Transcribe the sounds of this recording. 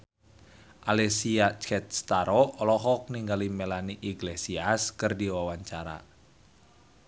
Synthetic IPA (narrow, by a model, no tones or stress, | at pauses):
ʔalɛsiat͡ʃɛt̪̚st̪aɾɔɔlɔɦɔk̚niŋɡalimelaniʔiɡlesiaskɨrdiwawaɲt͡ʃaɾa̰